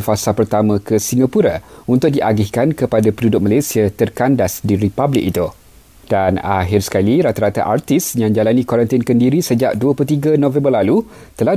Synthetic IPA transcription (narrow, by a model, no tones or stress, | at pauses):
fasapərt̪amãkəsiŋɡapuɾaunt̪ʊk̚diʔaɡɪhkankəpadapədudʊk̚malasiat̪ərkandasdiɾipablɪk̚it̪u | d̥anaɦɪrsə̥kaliɾat̪aɾat̪a̰ʔart̪isjãŋd͡ʒalanĩkwoɾənt̪inkəndiɾisəd͡ʒa̰ʔduəpulut̪̬iɡanõvɛ̃mbərlalu | t̪əlah